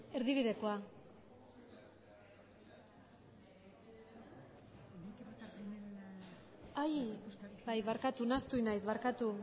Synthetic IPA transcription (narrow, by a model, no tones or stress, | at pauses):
e̞ɾðiβiðe̞koa | ajbajβaɾkat̪unast̪uinajsβaɾkat̪u